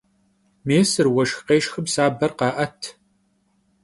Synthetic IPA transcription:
meːsɨrwɐʃxqeːʃxɨbsaːbɐrqɑːʔɐtʰ

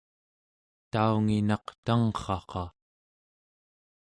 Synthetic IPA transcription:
t̪auŋinɑqt̪aŋχɑqɑ

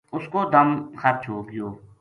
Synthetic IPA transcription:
ʊskoːd̪əmxət̚t͡ʃʰoːkɪjoː

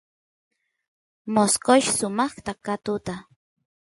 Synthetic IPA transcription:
moskoʃsʊmɑχt̪akat̪ʊt̪a

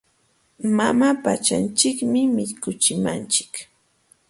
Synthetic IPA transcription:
mamapat͡ʃant͡ʃɪkmɪmɪʎkʊt͡ʃɪmant͡ʃɪ̥k

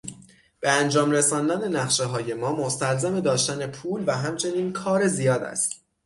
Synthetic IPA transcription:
b̥e̞ænd͡ʒɒːmresɒːnd̪æne̞næχʃeɦɒːje̞mɒːmost̪ælzæme̞d̪ɒːʃt̪æne̞pʰuːlvæɦæmt͡ʃʰe̞niːnkʰɒːɾe̞zijɒːd̪æ̰st̪

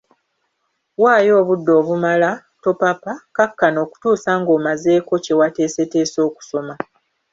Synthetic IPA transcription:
waːjo̞ːβudːo̞ːβumala | to̞papakakːano̞ːku̥tuːsaŋɡo̞ːmaze̞ːko̞ce̞wate̞ːse̞te̞ːso̞ːku̥so̞ma

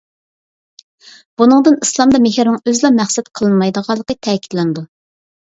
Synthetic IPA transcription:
b̥unɨŋd̪ɨnislˠɑmd̪ɑmɪhɪɾnɪŋøzlɑmæχsɛt̪qʰəlˠɨnmɑjd̪əʁɑlˠːəqət̪ʰɛːkʲʰi̥t̪lɛnd̪u

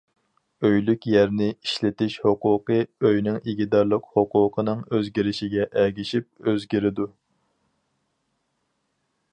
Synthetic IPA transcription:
øjlykʲjɛɾnɪiʃlɪt̪ɪʃhoqʊːqɨøjnɪŋiɡʲid̪ɑɾlˠəqhoqʰʊːqʰənɨŋøzɡʲiɾɪʃiɡʲɛʔɛɡʲiʃip̚øzɡʲiɾɪd̪u

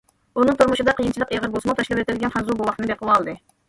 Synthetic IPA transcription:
unɨŋt̪ʰuɾmuʃɨd̪ɑqʰəjint͡ʃʰilˠəqeʁəɾbolˠsumɑt̪ʰɑʃlˠɛpet̪ʰɪd̪ɪɡʲɛnχæzubuwˠɑχt̪ɨnɨbeqʰəlˠɑːlˠd̪ɨ

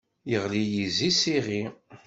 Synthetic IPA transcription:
jəʁlijizisiʁi

